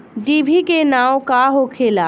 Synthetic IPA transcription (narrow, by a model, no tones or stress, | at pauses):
ɖiːbʱikenaːokaɦokʰelaː